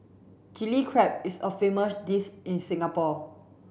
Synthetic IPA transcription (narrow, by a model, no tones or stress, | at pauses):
tilikʰɹɛp̚isəfeməsdisĩnsĩŋapɔ